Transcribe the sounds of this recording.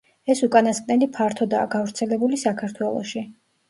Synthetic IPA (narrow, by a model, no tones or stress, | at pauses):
ɛsukʼanasqʼnɛlipʰaɾt̪ʰɔd̪a̰ːɡavɾt̪sʰɛlɛbulisakʰaɾt̪ʰwɛlˠɔ̰ʃi